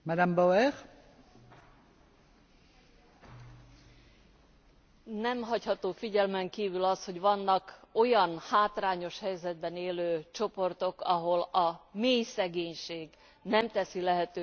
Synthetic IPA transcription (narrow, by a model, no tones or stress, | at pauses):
mad̪ambowɛʁ | nɛmɦɒchɒt̪oːfiɟɛlmɛŋkiːvylɒsho̞ɟʋɒnːɒko̞jɒnhaːt̪raːɲo̞ʃhɛjzɛd̪̚bɛneːløːt͡ʃo̞po̞rt̪o̞kɒɦo̞lɒmeːjsɛɡeːɲʃeːɡ | nɛmt̪ɛsilɛɦɛt̪øː